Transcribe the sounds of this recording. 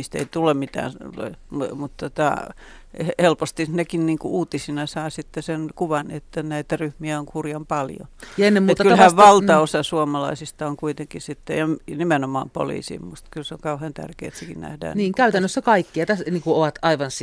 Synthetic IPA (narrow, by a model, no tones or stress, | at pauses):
iːst̪ḛit̪ulemmit̪æ̰ːn | mut̪t̪ot̪ɑ̰ | hhelpost̪inekinniːŋkuuːt̪isinɑsɑːsit̪ːesenkuʋɑnet̪ːænæit̪æryhmiæoŋkurjɑmpɑljo̰jɑenːemuet̪ːkyhæʋʋɑlt̪ɑosɑsuomɑlɑisist̪ɑoŋkuit̪eŋkisit̪ːejɑmnimenomɑ̰ːmpo̰lḭːsḭmust̪kylseoŋkɑuhent̪æ̰rkḛːet̪sekinnæ̰hdæ̰ːniːŋkæyt̪ænːøsːækɑikːiɑt̪æsniːŋkuoʋɑt̪ɑiʋɑns